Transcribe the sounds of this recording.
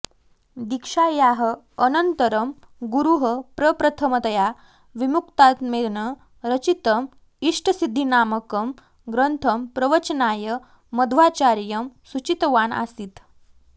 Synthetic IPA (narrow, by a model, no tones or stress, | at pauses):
d̪ikʂajaɦə | ənənt̪əɾəm | ɡuɾuɦəpɾəpɾət̪ʰəmət̪ja | ʋimukt̪at̪meɭnə | ɾət͡ɕit̪əm | iʂʈəsid̪ʱːinaməkəm | ɡɾənt̪ʰəmpɾəʋət͡ɕənajəː | əd̪ʱʋat͡ɕaɾjəmsut͡ɕit̪ʋana̰siːt̪